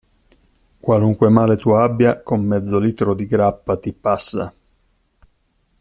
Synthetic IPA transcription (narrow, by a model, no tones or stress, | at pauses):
kwaluŋkwemaːlet̪uabːjakomːɛd̪zːoliːt̪ɾod̪iɡɾapːat̪ipasːa̰